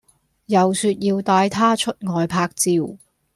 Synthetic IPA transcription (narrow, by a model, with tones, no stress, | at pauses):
jɐ˨wsyː˧t̚jiː˧wt̪aː˨˧jt̪ʰaː˥t͡ʃʰɵ˥t̚ŋɔː˨jpʰaː˧k̚t͡siː˨w